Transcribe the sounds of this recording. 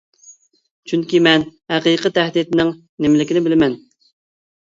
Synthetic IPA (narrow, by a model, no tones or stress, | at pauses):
t͡ʃʰyŋkʲimɛnhæqiqɨt̪ʰæhd̪it̪nɪŋ | nemɪlɪkʲinɪbɪlɪmɛn